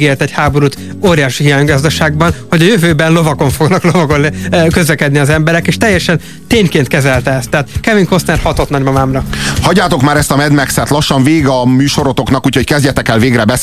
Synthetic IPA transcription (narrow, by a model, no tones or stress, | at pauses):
ɡeːrt̪ɛchaːbo̞ɾuːt̪ | oːɾijaːʃiɦijaːɲɡɒzd̪ɒʃaːɡ̚bɒnhoɟɒjøvøːbɛnlo̞vɒko̞ɱfo̞ɡnɒklo̞vɒkonkøzlɛkɛd̪niɒzɛmbɛɾɛkeːʃt̪ɛjːɛʃɛn | t̪eːɲkeːnt̪kɛzɛlt̪ɛɛst̪ːɛːt̪kɛviŋko̞snɛrhɒt̪o̞t̪nɒɟmɒmaːmrɒhɒɟːaːt̪o̞kmaːɾɛst̪ɒmɛd̪mɛksɛt̪lɒʃːɒɱveːɡɒmyːʃo̞ɾot̪o̞knɒkuːcockɛzɟɛt̪ɛkɛlveːɡɾɛbɛ